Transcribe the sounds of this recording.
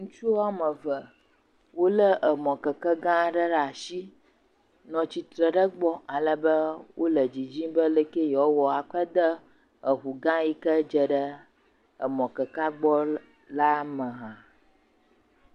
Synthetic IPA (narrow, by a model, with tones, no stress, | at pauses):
ŋũ˦t͡ʃu˦a˦mə̃˨və˨ | wo˦lə˦ʔə˨mɔ̃˨kə˨kə˦ɡã˦ɖə˦ɖa˨ʃi˦ | nɔ̃˨t͡ɕi˨t̪ɾə˨ɖə˦ɡ͡bɔ˦ʔa˨lə˨bə˦wʔo˦lə˨d͡ʑi˨d͡ʑĩ˦bə˦lə˦ke˦jɔ˦wɔ˨a˨k͡pə˦d̪ə˦ | ə˨ɦu˨ɡã˦ji˦kə˦d͡ʒə˨ɖə˦ | ə̰˨mɔ̃˨kə˨ka˦ɡ͡bɔ˦ | la˦mə˨ɦã˨